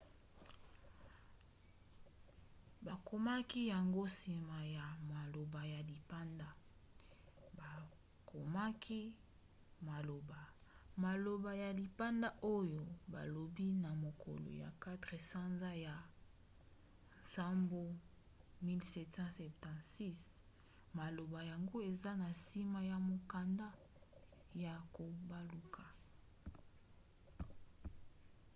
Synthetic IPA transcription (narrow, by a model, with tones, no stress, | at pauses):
ba˨ko˨ma˦ki˦ja˨ŋɡo˦si˨ma˨ja˨ma˨lo˨ba˨ja˨li˨pa˦nda˦ | ba˨ | kʰo˨ma˦kʰi˦ | ma˨lo˨ba˨ma˨lo˨ba˨ja˨li˨pa˦nda˦ʔo˦jo˨ba̰˨lo˨bi˦na˨mo˨kʰo̰˨lo̰˨ja̰˨ka˦tʁe˨sa˦nza˦ja˨ | nsa˦mbo˦ | mi˦lsɛ˦tsɑ̃˦sɛ˨ptã˨tsi˦s | ma˨lo˨ba˨ja˨ŋɡo˦e˨za˦na˨si˦ma˦ja˨mo˨ka˨nda˦ | ja˨ko˨ba˦lu˨kʰa˨